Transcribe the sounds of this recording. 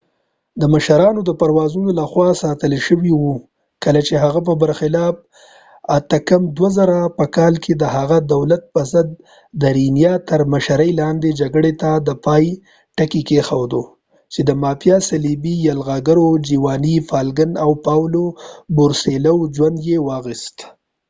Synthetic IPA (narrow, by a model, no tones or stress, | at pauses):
d̪əmaʃaɾɑnod̪əpaɾwɑzunolaxwɑsɑt̪əlʃəwiwu | kəlat͡ʃeɦaɣap̬əbaɾxɪlɑb̚ | at̪əkamd̪wazaɾapəkɑlkʰed̪əɦaɣad̪awlat̪̚pəzəd̪̚ː | əɾinjɑt̪əɾmaʃaɾəjlɑnd̪ed͡ʒaɡɽet̪ad̪əpɑj | ʈakikexawd̪o | t͡ʃed̪əmɑfjɑsalibijalɣɑɡaɾod͡ʒiwɑnifɑlɡənawpɑwlobʊɾselawd͡ʒwand̪jewɑɣist̪